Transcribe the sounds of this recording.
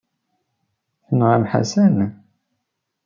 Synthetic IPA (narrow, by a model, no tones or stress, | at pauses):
θənʁamħa̰sæn